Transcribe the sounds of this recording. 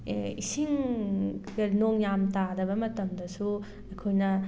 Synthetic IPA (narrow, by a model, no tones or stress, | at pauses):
isiŋ | ɡɐnoŋjamtadɐβɐmɐtɐmdɐsu | ɐjkʰojnɐ